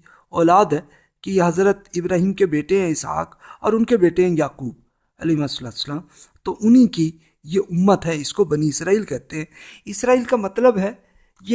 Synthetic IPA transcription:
ɔːlaːd̪ɦɛ | kijeɦɐzɾət̪̚ɪbɾaːɦiːmkebeːʈeɦɛ̃ɪsɦa̰ːk | ɔ̰ːɾʊnkebeːʈeɦɛ̃jaːquːb̚ | ɐlimasɐlaːt̪səlaːm | t̪oʔʊnɦĩki | jeʔʊmːət̪ɦɛɪskobɐniɪsɾaːiːlkɛɦt̪eɦɛ̃ɪsɾaːiːlkamɐt̪ləbɦɛ | je

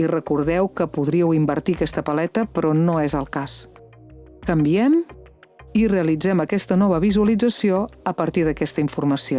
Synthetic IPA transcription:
irəkuɾðɛwkəpuðɾiəwimbəɾt̪iəkɛst̪əpəlɛt̪əpɾɔnoezəlˠkas | kəmbiɛm | ireəlid͡zɛməkɛst̪ənɔβ̞əβizuəlid͡zəsioəpəɾt̪iðəkɛst̪əiɱfurməsio

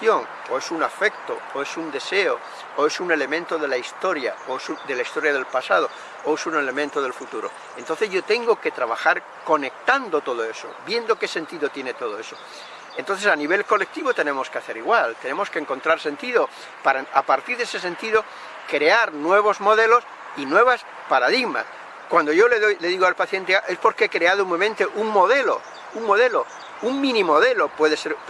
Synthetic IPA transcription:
joŋ | oe̞suŋafe̞k̚t̪ooe̞sund̪e̞se̞o | oe̞sune̞le̞mẽnt̪o̞ðe̞laist̪o̞ɾja̰oesud̪e̞laist̪o̞ɾjað̞e̞lpasað̞o̞ | oesune̞le̞mẽnt̪oð̞e̞lfut̪uɾo̞̰ | ent̪onθe̞zʝo̞t̪e̞ŋɡoke̞t̪ɾaβ̞axaɾ | ko̞ne̞k̚t̪and̪ot̪o̞ðoe̞so̞̰βje̞nd̪o̞ke̞se̞nt̪iðo̞t̪je̞ne̞t̪o̞ð̞o̞e̞so̥ | ent̪o̞nθesaniβ̞e̞lko̞lek̚t̪iβot̪e̞nẽ̞mo̞skeaθe̞ɾiɣwalt̪enẽ̞mo̞skeŋko̞nt̪ɾaɾse̞nt̪iðo | paɾaapaɾt̪iɾðese̞se̞nt̪iðo | kɾeaɾnwe̞β̞o̞zmo̞ðelo̞s | inwe̞βas | paɾaðiɣma̰s | kwand̪oʝo̞leðojle̞ðiɣoalpaθje̞nt̪eaʔespo̞ɾkeekɾeaðoumemẽnt̪eʔuŋmo̞ðelo̰ | uŋmo̞ð̞e̞lo | uŋmĩnimoð̞e̞lopwe̞ðeseɾ

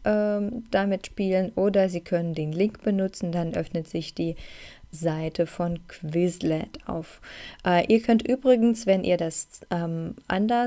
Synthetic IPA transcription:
ʔɛːmd̥amɪtʃpiːlənʔoːdɐziːkʰœnəndeːnlɪŋkb̥ənʊt͡sn̩danʔœfnətz̥ɪçd̥iːzaɪtʰəfɔnkʰv̥ɪzlɛta̰ʊfʔɛːʔiːɐkʰœntʔyːbʁɪɡn̩sv̥ɛnʔḭːɐdasʔɛːmʔa̰ndɐ

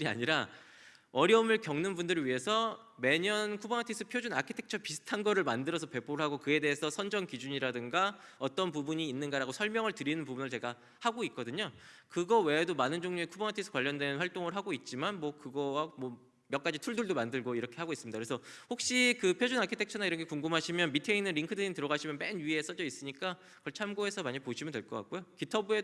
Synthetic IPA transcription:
ɾia̰ɲiɾa | ʌɾjʌomɯɭkjʌŋnɯnbundɯɾɯɥiɦe̞sʰʌ | me̞ɲʌnkʰubʌŋatʰis͈ʰɯpʰjod͡ʑunakʰetʰek̚t͡ɕʰʌpisʰɯ̥tʰanɡʌɾɯɭmandɯɾʌsʰʌpe̞pʰoɾɯɭɦaɡokɯe̞de̞ɦesʰʌsʰʌnd͡ʑʌnkid͡ʑuɲiɾadɯŋɡaʌt͈ʌnp̬ubuɲiːnːɯnɡaɾaɡosʰʌɭmjʌŋɯɭtɯɾinɯnpubunɯɭt͡ɕe̞ɡa | haɡoit̚k͈ʌdɯɲokɯɡʌwe̞domanɯnd͡ʑoŋɲuekʰubʌnatʰisʰɯ̥kwaʎːʌndwe̞nɸwaɭt͈oŋɯɭɦaɡoit̚t͡ɕ͈imanmwʌkɯɡʌwamwʌ | mjʌk͈ad͡ʑitʰuɭduɭdomandɯɭɡoiɾʌkʰe̞haɡois͈ɯmɲidakɯɾesʰʌhok̚ɕ͈ikɯpʰjod͡ʑunakʰitʰet͡ɕʰʌnaiɾʌŋkʰe̞kuŋɡɯmɦaɕʰimjʌnmitʰeinɯnɾiŋkʰɯdɯintɯɾʌɣaɕʰimjʌnpenɥie̞s͈ʌd͡ʑʌis͈ɯɲik͈a | kʌɭt͡ɕʰamɡoe̞sʰʌmaɲipoɕʰimjʌndwe̞ɭk͈ʌk͈a̰k͈̚ojokitʰʌbue̞

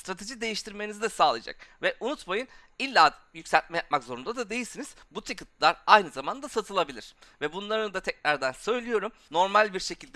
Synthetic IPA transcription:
st̪ɾat̪ʰe̞ʒid̪e̞jiʃt̪ʰiɾmenizid̪ɛsaːlˠɯjad͡ʒa̰k̚vɛʔunut̪majɯn | ilʲːaː | jycʲsælʲt̪̚mɛjap̚makzo̞ɾund̪ad̪ad̪e̞jilʲsiniz̥but̪ʰikit̪lˠaɾajnɯzamand̪asat̪ʰɯlˠabilʲiɾ̥ | vɛbunlˠaɾɯnɯd̪at̪ʰɛcɾaɾd̪ænsø̞jlʲijo̞ɾum | no̞ɾmalʲbiɾʃe̞cʰilʲd̪ɛ

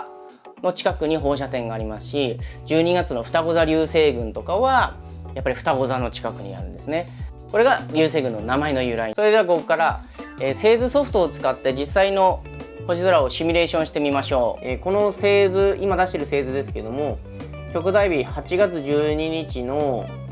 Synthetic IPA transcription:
no̞t͡ɕi̥kakɯɲ̟iɦo̞ːɕ̬at̪ẽ̞ŋɡaːɾʲimasɨ̥ɕid͡ʑɨːɲ̟iɡat͡sɨno̞ɸɯ̥t̪aɡo̞zaɾʲɨːse̞ːɡɯ̟̃nt̪o̞kaβa | japːaɾʲiɸɯ̥t̪aɡo̞zano̞t͡ɕi̥kakɯ̟ɲ̟ḭa̰ɾɯ̟̃nd̪e̞sɨne̞ | ko̞ɾe̞ɡaɾʲɨːse̞ːɡɯ̟̃nːo̞namaino̞jɯ̟ɾaisoe̞d̪e̞aɡo̞kːaɾa | eːse̞ːzɨso̞ɸɯ̟̥t̪o̞ːt͡sɨ̥kat̪ːe̞d͡ʑisːaino̞ | po̞ʑizoɾao̞ɕimʲiɾe̞ːɕõɕi̥t̪e̞mʲimaɕo̞ːeko̞no̞se̞ːzɨimad̪aɕi̥t̪e̞ɾɯ̟se̞ːzɨd̪e̞sɨ̥keed̪o̞mo̞ | kʲo̞kɯ̟d̪aibʲihat͡ɕiɡat͡sɨʑɨːɲiɲit͡ɕino̞

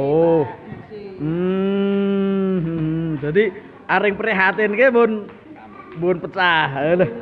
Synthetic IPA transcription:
o | m̩ | d̪ad̪i | ʔaɾɪŋpəɾiɦat̪ɪnkebʊn | bʊnpət͡ʃaələh

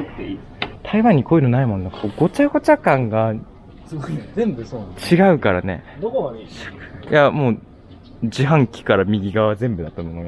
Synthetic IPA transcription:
t̪ʰaiβãɲ̟ːikʰo̞inonaimo̞nd̪akakoɡo̞t͡ɕaɡo̞t͡ɕakãŋɡa | siẽmbɯsot͡ɕiɡaɯ̟kaɾane̞̰d̪o | jamo̞ː | d͡ʑiɦãŋkʲi̥kaɾamʲiɡʲiɡaazẽ̞mbɯ̟d̪at̪ːanonoɡa

